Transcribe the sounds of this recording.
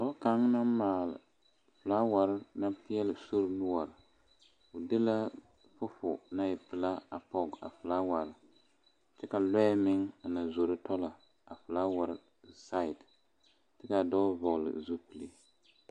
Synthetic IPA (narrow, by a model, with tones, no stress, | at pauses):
a˨˦bka˨˦ŋ˦na˦mmaː˨lɨ̰˨ | fɨ˨la˦wa˨ɾɨ˦na˦pi˦ɛ˦lɨ˨so˦ɾnu˦a˨ɾɨ˨ | ʊ˨dɨ˦la˦ | fʊ˦fʊ̰˨na˦jɛ˨pɨ˨la˦a˨pɔ˦ɡa̰˨fɨ˨laː˦wa˨ɾɨ˦ | tɨ˦ka˨lɔ˦mɪ˦ŋa˨na˨zo˨ɾɨ˦tɔ˦la˨ | a˨fɨ˨la˦wa˨ɾɪ˦ | sa˦ɪ˨t | tɨ˦ka˨dɔː˦vɔ˨ɣlɨ̰˨zu˦pɨ˨li˨